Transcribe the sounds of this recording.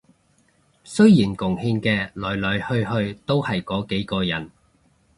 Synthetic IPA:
sɵ˥ɥjiː˨˩nkʊ˨˩ŋhiː˧ŋkɛː˧lɔː˨˩jlœ˨˥˧hɵ˧ɥhɵ˧ɥt̪o˥whɐ˨jkɔː˨˥ke˨˥jkɔː˧jɐ˨˩n

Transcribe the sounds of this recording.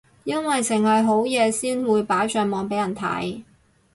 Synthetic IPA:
jɐ˥nwɐ˨jsɪ˨˩ŋhɐ˨jɦo˨˥wjɛː˨˧siː˥nwuː˨˧jpaː˨˥jt͡ʃœː˧ŋmɔː˨ŋpe˨˥jɐ˨˩nt̪ʰɐ̰˨˥j

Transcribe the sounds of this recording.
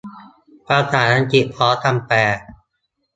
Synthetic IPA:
pɾa˧t̪ʰaː˩˦na˧t͡ɕi˨˩ʔ̚pʰɔː˦˥t̪ʰa˧mpɛː˨˩

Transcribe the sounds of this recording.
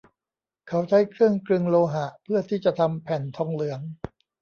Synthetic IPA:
kʰa˩˦˥wt͡ɕʰa˦˥jkʰɾɯ˥˩əŋkɾɯ˧ŋloː˧ɦa˨˩ʔpʰɯ˥˩ɐt̪ʰiː˥˩t͡ɕa˨˩t̪ʰa˧mpʰɛ˨˩nt̪ʰɔ˧ŋlɯ˩˦əŋ

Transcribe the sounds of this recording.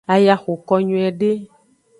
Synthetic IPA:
a˨ja˨xo˨kɔ˦ɲũ˨˦ɛ˨ɖe˦

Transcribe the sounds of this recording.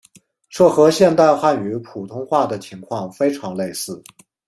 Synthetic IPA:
ʂɤ˥˩xɤ˧˥ɕjɛ˥˧nt̪a˥˧ɪxa˥˩ny˧˥pʰu˨˩t̪ʰʊ˥ŋxwa˥˩d̪ə˩t͡ɕʰi˧˥ŋkʰwɑ˥˩ŋfe˥ɪʈ͡ʂʰɑ˧˥ŋle˥˧ɪsɹ̩˥˩

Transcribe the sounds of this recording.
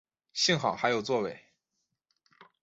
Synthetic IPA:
ɕi˥˧ŋxɑ˨˩ʊxa˧˥ɪjo˨˩ʊt͡swɔ˥˧we˥˩ɪ

